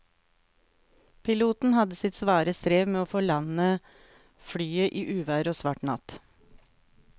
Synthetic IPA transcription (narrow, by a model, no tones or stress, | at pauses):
pʰɪluːt̪n̩hɑd̪əsɪt̪sʋɑːɾəst̪ɾeːʋmeːoːfɔɭɑnə | fɽyːəʔiːʔʉːʋæːɾoːsʋɑʈɳɑ̰t̪